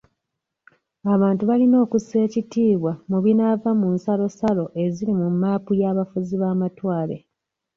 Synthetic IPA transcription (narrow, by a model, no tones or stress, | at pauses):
aβaːntuβalino̞ːkuse̞ːcitiːβwamuβinavamunsalo̞salo̞ʔe̞zilimumːaːpujaːβafuziβaːmatwaːle̞̰